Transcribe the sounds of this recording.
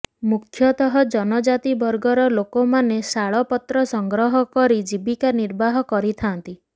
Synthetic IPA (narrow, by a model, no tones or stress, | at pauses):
mukʰjɔt̪ɔɦɔd͡ʒɔnɔd͡ʒat̪ibɔɾɡɔɾɔlokomanesaɭɔpɔt̪ɾɔsɔŋɡɾɔɦɔkɔɾid͡ʒibikaniɾbaɦɔkɔɾit̪ʰant̪i